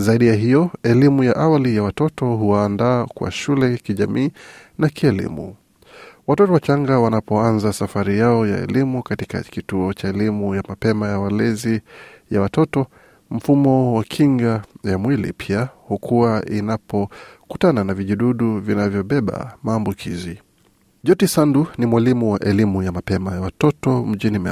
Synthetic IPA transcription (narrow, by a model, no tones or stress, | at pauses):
zaiɗijaɦijɔɛlimujaʔawalijawatɔtɔɦuwaːndaːkwa̰ʃulɛkiʄa̰miː | nakiɛlḭmṵ | watɔtɔwat͡ʃaŋɡawanapɔanzasafaɾijaɔja̰ɛ̰limukatika̰kituɔt͡ʃaɛlimujamapɛmajawalɛzijawatɔtɔ | m̩fumɔwakʰiŋɡajamwilḭpʰiahukʰuwainapɔkutananaviʄuɗuɗuvinavjɔɓɛɓa̰maːmbukʰizi | ʄɔtisandunimwalimuwaʔɛlimujamapɛmajawatɔtɔm̩ʄinimɛ